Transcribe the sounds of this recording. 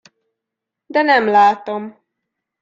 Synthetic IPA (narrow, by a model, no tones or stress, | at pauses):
d̪ɛnɛmlaːt̪o̞m